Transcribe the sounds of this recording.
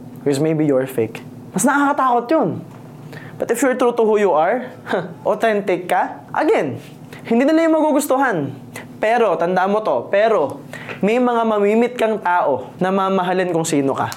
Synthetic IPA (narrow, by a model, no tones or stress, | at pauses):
wɪsmejbijɔɹfejk | mɐsnɐɐkɐkɐt̪aːkot̪jon | b̥ɐt̪ɪfjʊɹt̪ɾuːt̪ʊhujuʔɐɹ | ʔot̪ɛnt̪ɪkːɐ | ʔɐ̰ɡɛn | hɪnd̪iːnɪlajʊŋmɐɡuɡʊst̪oɦan | pɛːɾo̞t̪ɐnd̪aʔmot̪o̞pɛːɾo̞mɛjmɐŋamɐmiːmɪt̪̚kɐŋt̪aːʔo̞nɐmaːmɐɦalɪnkʊŋsiːnokɐ̰